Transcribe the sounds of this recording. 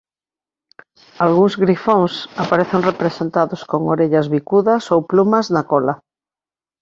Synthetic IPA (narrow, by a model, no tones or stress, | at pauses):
alɣuŋzɣɾifõŋsapaɾeθeŋrepɾesent̪aðoskoŋoɾeʎazβikuðasowplumaznakola